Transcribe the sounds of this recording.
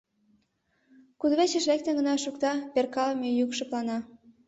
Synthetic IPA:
kud̪βet͡ɕə̆ʃlek̚t̪ĕɡə̆nɑʃukt̪ɑperkɑlmejukʃɤ̆plɑnɑ

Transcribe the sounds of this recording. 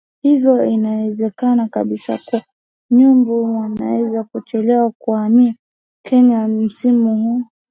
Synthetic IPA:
hivɔinawɛzɛkanaka̰ɓisa̰kua | ɲumbuwana̰wɛzakɔt͡ʃɛlɛwakuamia | kʰɛɲam̩simuhu

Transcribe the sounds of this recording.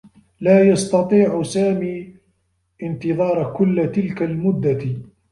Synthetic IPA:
laːjɑst̪ɑt̪ˤiːʕsaːmiː | ʔɪnt̪ɨðˤɑːɾˤkʊlːt̪ɪlkalmʊd̪ːa

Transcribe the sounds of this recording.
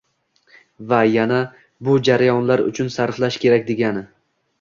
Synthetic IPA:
vajana | bʊd͡ʒaɾajɒnlaɾʊ̰t͡ʃʰʊnsaɾflaʃkʲʰe̞ɾakʲd̪e̞ɡʲanɪ

